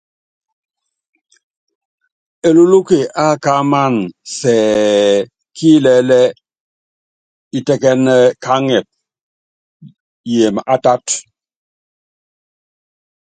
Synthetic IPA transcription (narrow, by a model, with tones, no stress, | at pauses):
e˨lu˦lu˦ke˨ʔa˦˨ka˦ma˦˨nsɛː˨ | kʰi˦lɛ˨lɛ˦ | i˨tɛ˦kɛ˦nɛ˦kʰa˦ŋɛ˨p̚ | je˨m˨a˨ta˦t